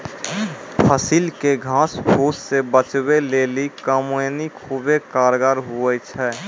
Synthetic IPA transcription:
pʰəsilkeɡʱãːspʰoːssebət͡ʃweleːlikəmnikɦubekaːɾɡaɾɦuɛt͡ʃʰɛː

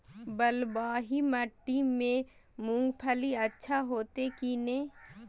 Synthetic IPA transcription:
bəlbaːɦiməʈːimẽ | mũŋɡpʰəliətːʃʰaɦoːt̪ekinẽː

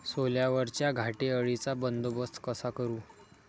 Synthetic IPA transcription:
soljaʋəɾt͡ɕjaɡʱaʈeəɭit͡sabənd̪obəst̪ʰkəsakəɾuː

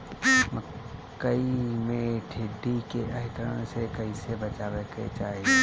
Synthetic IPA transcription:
məkːəimẽʈʰɪɖːikeʔəɦɪt̪əɾə̃sekəisebət͡ʃaːbeket͡ʃaːɦe

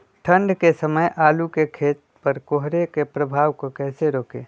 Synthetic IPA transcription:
ʈʰə̃ɳɖkesəməjʔaːlukekʰeːt̪̚pɐɾkoɦɾekepɾəbʱaːʋkokɛːseɾoːkeː

